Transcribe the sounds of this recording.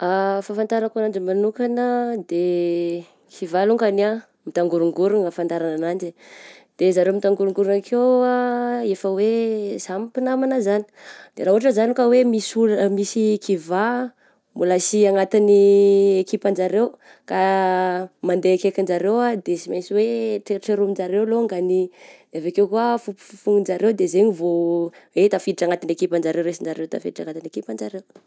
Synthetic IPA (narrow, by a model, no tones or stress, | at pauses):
afafant̪aɾakanaɳd͡ʒimanukanəd̪e | kʰivaluŋkana | mit̪aŋɡuɾuŋɡuɾunəfant̪aɾananaɳd͡ʒid̪̥ezaɾemit̪aŋɡuɾuŋɡuɾunakʰeaefəwez̥amipinamanazani̥d̪̥ḛɾaɦuɦaʈ͡ʂəzanikawemisumisikʰiva | mulasiaŋat̪iniekipand͡ʒaɾew | ka | mand̪ekekind͡ʒaɾewad̪esimasiweʈ͡ʂeʈ͡ʂeɾumind͡ʒaɾewloŋɡani | evakewkuəfupu̥ffuŋind͡ʒaɾewd̪ezeɲivoet̪afid̪iʈ͡ʂaŋat̪inekipand͡ʒaɾewɾesind͡ʒaɾewt̪a̰fid̪iʈ͡ʂaŋat̪inekipand͡ʒaɾew